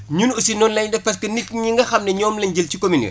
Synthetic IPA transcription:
ɲunusinɔnlɐɲdɐpɐskɛnik̚ɲiŋɡɐxɐmnɛɲɔːmlɐɲɟəlcikominḭ

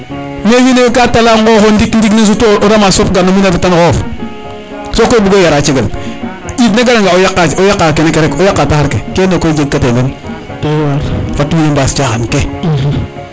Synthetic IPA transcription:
meɲinekatalaːŋɡoxondikndiknes̬utooɾamasopɡanominatatankɔf | sokobuɡojaɾat͡ʃeɡal | itnaɡaɾaŋɡaojakːaojakːakenekeɾekojakːatahaɾkekeːnekod͡ʒeɡ̚kːatenen | waɾfatːuminembast͡ʃaxanke

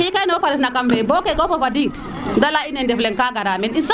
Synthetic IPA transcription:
ikajnopaɾifnakamvɛbɔkekofofadit | dalainɛndɛflɛŋkaɡaɾaminins

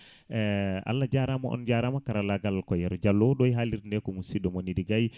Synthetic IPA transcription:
ɛa̰lːad͡ʒaɾamaʔɔ̰nd͡ʒaɾamakaɾalaɡalakɔjɛɾd͡ʒalːɔɗɔjɦaliɾndɛkɔmusiɗɔmɔnidiɡaj

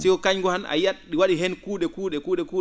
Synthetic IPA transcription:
sikɔkaɲɡɔhana̰jaɗɗiwaɗiɦɛnkuːɗɛkuːɗɛkuːɗɛkuː

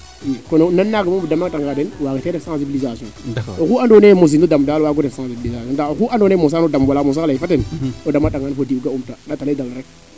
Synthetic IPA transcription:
kononanːaɡimombudamaŋtaŋɡadewaɡeteɾefsãsibilizasõokuandonemos̬indodamdawaɡodefsãsibilizasõdaokuʔadonemos̬aodamwalamos̬alifatenodamːataŋɡanfodiuɡaumtadataldalɾek

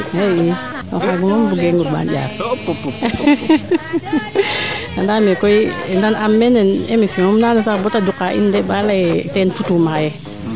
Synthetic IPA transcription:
eji | okaɡumumbuɡeŋuba̰nd͡ʒa̰p | adamekoinanamːenenemisoŋumnanasakbotadukaʔḭndebalajtenfutumaje

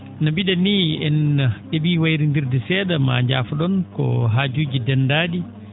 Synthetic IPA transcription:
nabiɗanːiːɛnaɗebiːwajɾindiɾdɛsɛːɗama̰ɲd͡ʒa̰ːfɔɗɔnkɔ̰ɦaːd͡ʒuːd͡ʒidɛnːdaːɗi

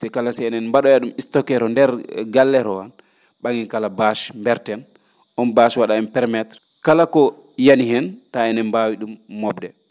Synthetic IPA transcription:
sɛkalasɛɛnɛnmbaɗɔjaɗumistɔkɛɾɔndɛɾɡalːɛɾɔwan | ɓaŋɡinkalabaʃmbɛɾtɛn | ʔɔnbaʃwaɗaɛnpɛɾmɛtɾ | kalakɔ | janiɦɛntaɛnɛmbawiɗumːɔbdɛ

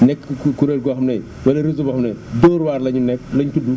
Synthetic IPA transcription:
nɛkːkuɾeɾɡɔxɐmnɐj | wɐlɐɾizubɐxɐmnɐjdɔːɾwaːɾlɐɲunɛklɐɲkudu

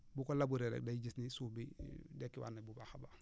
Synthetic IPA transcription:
bukolabuɾeɾḛk̚dajiɟisnisubidekːiwa̰nabubaxaba

